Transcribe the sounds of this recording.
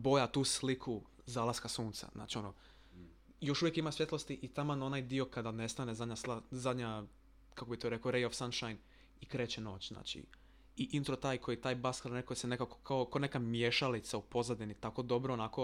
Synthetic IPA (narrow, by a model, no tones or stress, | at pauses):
bo̞jat̪uːslikʰu | zaːlaskasuːnt̪sa̰zna̰ːt͡ʃio̞no̰ | jo̞ʃuʋjekimasʋje̞t̪lo̞st̪iʔit̪amanonajd̪io̞kad̪ane̞st̪anezad̪ɲaslazad̪ɲa | kakobit̪oɾe̞koɾejofsanʃajn | ikɾeːt͡ɕeno̞ːt͡ɕzna̰ːt͡ʃḭ | iʔint̪ɾot̪aːjkʰo̞jit̪aːjbaskalnekosene̞kako̥kʰaokaonekamjeʃalit̪saupo̞zad̪init̪ako̞d̪o̞bɾoːnako̞